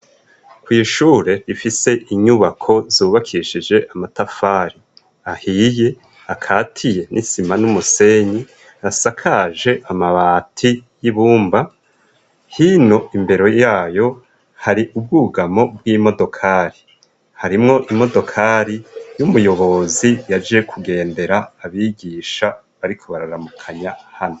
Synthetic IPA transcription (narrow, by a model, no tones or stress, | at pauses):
kwiʃuːɾe̞ɾifise̞ʔiɲuβakʰo̞zuːβakʰiʃid͡ʒe̞ʔamatafaːɾi | ahije̞ | akʰaːtʰije̞nʔisimanumuse̞ɲi | asakʰaʒe̞ʔamaβaːtʰijiβuːmba | hino̞imbe̞ɾo̞jaːjo̞ | haɾiʔub̚ɡuːɡamo̞b̚wiːmo̞do̞kʰaːɾi | haɾimŋo̞ʔimo̞do̞kʰaɾijumujo̞βo̞zijad͡ʒije̞kʰuɡe̞ːnde̞ɾaːβiːɡiːʃa | βaɾikʰo̞βaɾaɾamukʰaɲahano